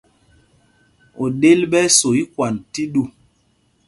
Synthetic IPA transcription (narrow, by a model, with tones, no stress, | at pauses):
o˨ɗe˦lɓɛ˦so˨i˦kwa˨nti˦ɗu˦˨